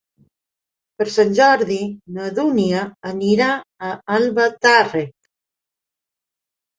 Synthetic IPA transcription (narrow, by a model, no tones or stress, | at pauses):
pəɾsanʲʒɔɾðinəðuniəːniɾaːalβat̪are